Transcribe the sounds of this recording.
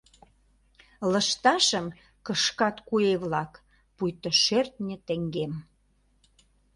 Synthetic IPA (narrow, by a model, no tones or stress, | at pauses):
lə̆ʃt̪ɑʃə̆m | kə̆ʃkɑt̪kueβlɑk | pujt̪oʃert̪nʲə̆t̪ĕŋɡem